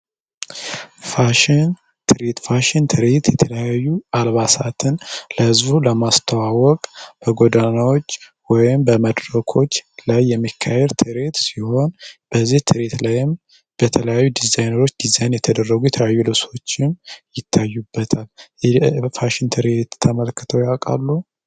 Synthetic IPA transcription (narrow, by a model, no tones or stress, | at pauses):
faʃn | t̪ʰɨɾet̪faʃɪnt̪ʰɨɾet̪jɛt̪ʰələjajːualβasat̪ʰɨnləhɨzbuləmast̪ʰawawɔkʼb̥əɡo̞d̪anawɔt͡ʃː | wɔjɪmbəməd̪ɾəkʰo̞t͡ʃːlajːɛmːikʰːahɛɾt̪ʰɨɾet̪siho̞nb̥əzːiht̪ʰɨɾet̪lajɪm | b̥ət̪ʰələjajːud̪izajnəɾo̞t͡ʃːd̪̥izajnjɛt̪ʰəd̪ərːəɡujɛt̪ʰəəajːulɨso̞t͡ʃːɪmjɪt̪ʰːajːubːət̪ʰal | faʃɪnt̪ʰɨɾet̪ʰːəməlkːɨt̪ʰəwjawkʼa̰lːu